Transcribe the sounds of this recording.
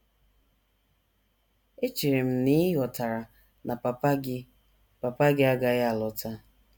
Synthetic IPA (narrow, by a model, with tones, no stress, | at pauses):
e˦t͡ʃi˨ɾe˨m̩˨˦ni˦jɔ˨ta˨ɾa˨ | na˨p | pa˨pa˦ɡɪ˦a˦ɡa˨ɣa˨lɔ˨tʰa˦